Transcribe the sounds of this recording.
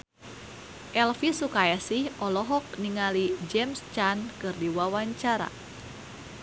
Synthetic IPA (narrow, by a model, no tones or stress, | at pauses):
ʔɛlfisukajasihʔɔlɔɦɔk̚niŋalid͡ʒɛmst͡ʃankɨrdiwawaɲt͡ʃaɾa̰